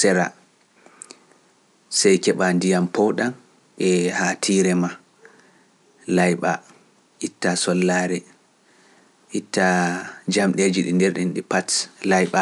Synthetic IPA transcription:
sɛɾa̰ | sɛjkɛɓandijampɔɗan | ʔɛhatʰiːɾɛma | lajɓa | ʔitːasɔlːaːɾɛ | ʔitːad͡ʒamɗeːd͡ʒiɗḭndɛɾɗinɗipatlajɓa

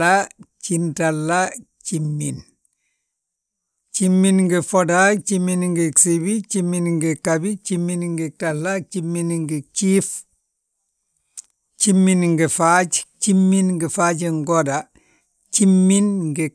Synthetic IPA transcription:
at͡ʃintalːa | t͡ʃimːin | t͡ʃimːinŋɡəfɔdat͡ʃiminŋɡisibit͡ʃimːinŋɡikabit͡ʃimːinŋɡitɐlːat͡ʃimːinŋɡit͡ʃif | t͡ʃimːinŋɡifat͡ʃt͡ʃimːinŋɡəfaːɟiŋɡoda | t͡ʃimːinŋɡi

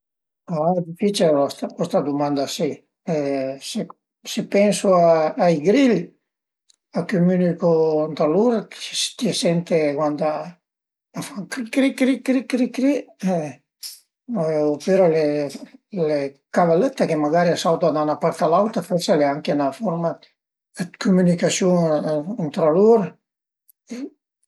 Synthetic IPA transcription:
ad̪ifit͡ʃilɔst̪akwɔst̪ad̪umand̪asi | ɛse | sepɛnsuaːjɡɾil | akymynykont̪aluɾḁst̪iesɛnt̪ekwant̪a | afaŋkɾikɾikɾikɾikɾikɾi | opeɾale | lekavalət̪ːakemaɡaɾiasawt̪ad̪anapaɾt̪alawt̪afɛɾsaleaŋkenafɔɾma | kumynikasjunt̪ɾaluɾ | e

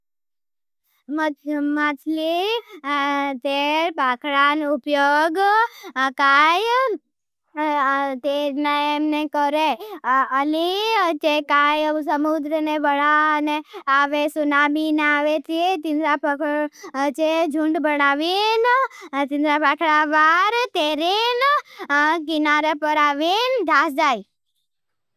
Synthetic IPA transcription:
mmat͡ʃʰli | t̪eɾpakʰɭanupjoɡ | kaj | t̪eneemnekəɾeəlit͡ʃekajəsəmud̪ɾənebəɭaəneaʋesunamineaʋet͡ʃiet̪ind̪ɾap | t͡ʃed͡ʒʱũɳɖbənaʋint̪ĩnd̪ɾapakʰɽaʋaɾt̪eɾin | kinaɾəpəɾaʋind̪ʱasd͡ʒai

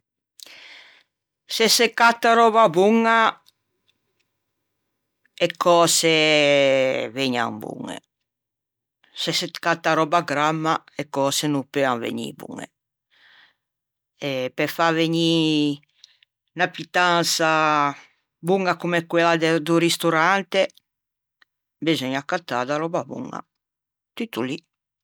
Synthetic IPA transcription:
sɛsekat̪ːaɾɔβabuŋa | ɛkːɔːse | veɲa̰ŋbṵŋːḛ | sɛsekat̪ːaɾɔbaɡɾamːa | ɛkːɔːsenupeaŋvḛɲḭbṵŋḛ | ɛpɛfaveɲi | napit̪ansa | buŋɡakumɛkwɛlad̪d̪uɾist̪uɾant̪e | bizɔɲakːat̪ːad̪aɾɔbabṵŋːa̰ | t̪it̪ːuli

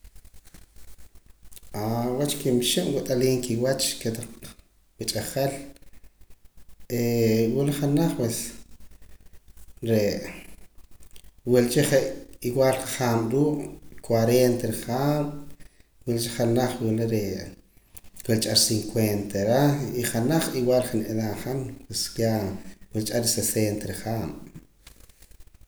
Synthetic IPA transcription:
awat͡ʃkimʃiʔwut̪ʼaliːŋkiwat͡ʃket̪aq͡χ | wit͡ʃʼaχel | ewuliχanaχwel | ɾe | wilt͡ʃiχeʔiwaːlqaχaːmɾuːʔkwaɾent̪eɾiχaːm | wilt͡ʃiχanaχwileɾe | welt͡ʃʼaɾsiŋkwent̪eɾaiχanaχiwaːlχaneðaχanpweskjawilt͡ʃʼaɾisesent̪eɾiχaːm

